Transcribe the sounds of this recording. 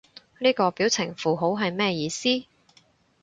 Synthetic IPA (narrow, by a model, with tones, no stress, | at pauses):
niː˥kɔː˧piː˨˥wt͡sʰɪ˨˩ŋfuː˨ɦo˨˥wɦɐ˨jmɛː˥jiː˨˧siː˥